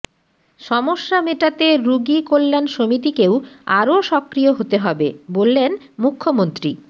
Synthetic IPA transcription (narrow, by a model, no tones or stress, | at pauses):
ʃɔmoʃːameʈat̪eɾuɡikolːanʃomit̪ikewaɾoʃɔkɾijoɦot̪eɦɔbebolːen | mukʰːomont̪ɾi